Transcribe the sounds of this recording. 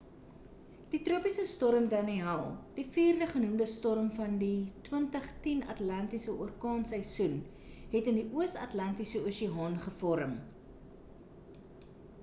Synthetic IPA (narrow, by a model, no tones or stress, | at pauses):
d̥itruəpisəstɔɾəmdɐniɐlˠd̥ifiːrdəχənumdəstɔɾəmfɐnditwəntəχtinɐ̰tlɐntisəʔuərkɑːnsəjsun | ɦɛtəndiʔuəsɐ̰tlɐntisəuːʃiɦɑːnχəfɔɾəm